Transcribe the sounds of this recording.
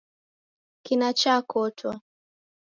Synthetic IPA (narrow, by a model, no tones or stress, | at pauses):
kinat͡ʃakɔtʰwa